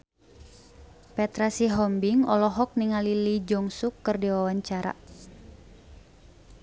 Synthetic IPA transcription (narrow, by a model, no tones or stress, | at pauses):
pɛt̪ɾasiɦɔmbiŋɔlɔɦɔk̚niŋalilid͡ʒɔŋsukːərdiwawaɲt͡ʃaɾa̰